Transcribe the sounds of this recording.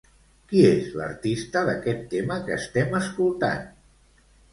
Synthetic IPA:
kiezlə̰ɾt̪ist̪əðəkɛt̪ːeməkəːst̪ɛməskulˠt̪a̰n

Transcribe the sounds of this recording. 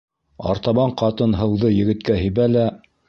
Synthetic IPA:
ɑ̰ɾt̪ɑβɑɴqɑt̪ɤnɦɤ̆wðɤjɘ̆ɡɘ̆t̪̚kæɦĭβælæ

